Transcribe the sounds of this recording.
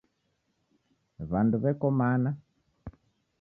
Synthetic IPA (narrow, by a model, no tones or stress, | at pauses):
βanduβɛkɔmana